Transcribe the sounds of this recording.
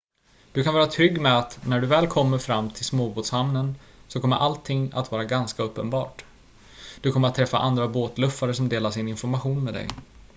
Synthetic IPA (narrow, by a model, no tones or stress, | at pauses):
d̪̥ɵkʰanvɑːɾat̪ʰɾʏɡːmɛat̪næɖɵvɛːlkʰɔmːəɾfɾamːt̪ʰɪlsmoːboːt̪shamnən | sɔkʰɔmːə̰ɾʔalt̪ʰːɪŋːa̰t̪vɑːɾaɡanskaɵpːənbɑ̰ːʈ | d̪̥ɵkʰɔmːəɾat̪ʰːɾɛfːa̰ʔand̪ɾaboːt̪lɵfːaɾəsɔmd̪eːlaʂɪnɪnfɔɾmaɧuːnmɛd̪ɛ̰j